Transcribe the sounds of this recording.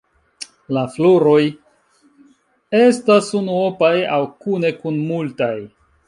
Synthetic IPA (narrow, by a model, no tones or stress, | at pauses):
lafloɾo̞j | e̞stasunuopajawkune̞kunmultaj